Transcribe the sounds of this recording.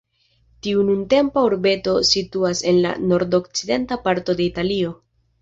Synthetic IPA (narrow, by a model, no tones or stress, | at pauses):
tiununte̞mpauɾbe̞to̞situase̞nla̰no̞ɾdo̞kt͡side̞ntapaɾto̞de̞italio̞